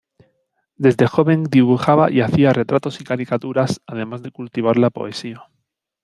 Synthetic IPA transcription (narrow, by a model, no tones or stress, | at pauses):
d̪e̞zðe̞xo̞βe̞ŋd̪iβ̞uxaβaʔiaθiare̞t̪ɾat̪o̞sikaɾikat̪uɾasað̞e̞mazðe̞kult̪iβ̞aɾlapo̞̰e̞sia